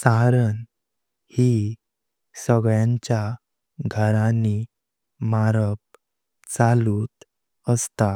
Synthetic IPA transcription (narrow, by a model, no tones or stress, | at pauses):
saɾən | hi | səɡɭjãɲt͡ɕja | ɡʱəɾani | maɾəp̚ | t͡saluːt̪ | əst̪a